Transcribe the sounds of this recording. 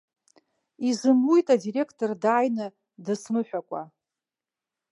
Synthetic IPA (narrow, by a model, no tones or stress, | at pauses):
izɨmlujtʼadiɾe̞kʰtʰʼordaːjnɨ | dɨsmɨħᶣʷakʷʼa